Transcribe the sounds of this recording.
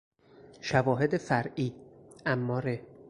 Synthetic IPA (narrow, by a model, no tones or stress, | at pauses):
ʃævɒːɦe̞d̪efæɾʔiːʔæmːɒːɾe